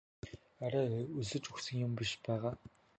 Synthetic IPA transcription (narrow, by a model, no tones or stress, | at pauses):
æɾaːuzɘ̆t͡ʃʼuxsɘ̆ŋjʊmpʲiʃpæːʁaː